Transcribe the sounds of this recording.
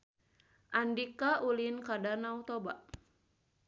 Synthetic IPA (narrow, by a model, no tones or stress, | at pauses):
ʔandikaʔulinkadanaut̪ɔbaʔ